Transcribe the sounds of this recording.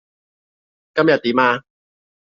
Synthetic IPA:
kɐ˥mjɐ˨t̪̚iː˨˦maː˧

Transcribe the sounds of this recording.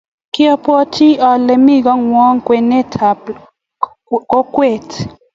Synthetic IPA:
kjɔ˦pɔ˦tʰi˦ɔ˨lɛ˨mi˦˨ɡɔ˦ŋwɔ˦ŋkwe˨nɛ˦tʰa˨ | kɔ˦kwe˨t

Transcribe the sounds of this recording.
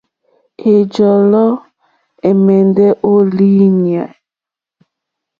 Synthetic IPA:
e˨d͡ʒɔ˨lɔ˦ | e˨mɛ˨ndɛ˦ʔo˦li˦ɲi˨a˨

